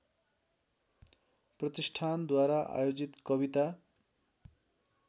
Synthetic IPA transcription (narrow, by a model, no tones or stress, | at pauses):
prʌt̪isʈʰand̪waɾaʔa̰jod͡zit̪kʌbit̪a